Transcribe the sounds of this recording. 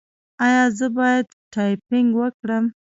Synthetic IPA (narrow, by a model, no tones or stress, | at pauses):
ɑjɑzəbɑjad̪ | ʈɑjpɪŋɡwəkɽəm